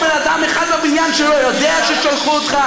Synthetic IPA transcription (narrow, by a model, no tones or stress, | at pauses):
bɛnad̪amɛχad̪abinjanʃɛlojod̪ɛaʃɛʃalχuɔt̪χa